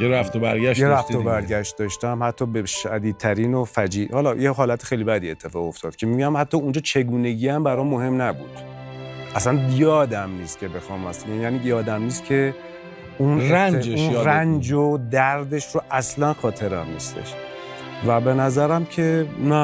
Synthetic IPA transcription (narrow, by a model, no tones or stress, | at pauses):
jeɾæft̪obæɾɡæʃjeɾæft̪obæɾɡæʃt̪̚d̪ɒːʃt̪æmhæt̪ʰːɒːbeʃæ̰d̪iːd̪̚t̪ʰæɾiːnofæd͡ʒiːhɒlɒːjeɦɒːlæt̪ʰe̥xejlibæd̪iːe̞t̪ʰːe̞fɒːɣo̞ft̪ʰɒːd̪̚cʰemiuɡæmhæt̪ʰːɒːund͡ʒɒːt͡ʃʰe̞ɡuːne̞ɟiːæmbæɾɒːmoɦe̞mnæbṵːd̪̥ | ʔæsænjɒːd̪æmniːst̪̚cʲʰe̞be̞xɒːmæst̪æmjæːniːjɒːd̪æmniːst̪̚kcʰe̞ | unɾænd͡ʒeuʃjɾænd͡ʒod̪æɾd̪e̞ʃɾoʔæslænxɒːt̪ʰe̞ɾæmnist̪ʰḛʃ | væbe̞næzæɾæmcʰe̞næ